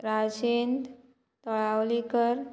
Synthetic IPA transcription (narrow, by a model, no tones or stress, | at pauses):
ɾad͡ʑend̪ | t̪ɔɭawlikəɾ